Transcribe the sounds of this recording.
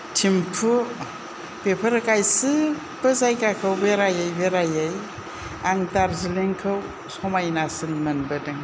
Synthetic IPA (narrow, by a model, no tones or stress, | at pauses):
tʰimpʰu | bepʰəɾɯkajsɨ | b̥ɯzajkakʰəwbeɾajajbeɾajaj | aŋtaɾzileŋkʰɯw | sɔmajnasɯnmɯnbɯdɯŋ